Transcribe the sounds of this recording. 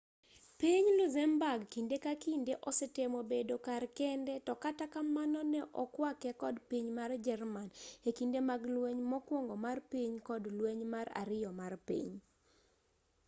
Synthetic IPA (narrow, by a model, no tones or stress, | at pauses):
piɲluzɛmbaɡkindekakindeʔɔsɛtemobedokarkɛndɛtɔkatakamanɔnɛʔɔkwakɛkɔdpiɲmard͡ʒɛrmanekindemaɡlweɲmɔkwɔŋɡɔmarpiɲkɔdlweɲmaɾa̰ɾɪjɔmarpḭɲ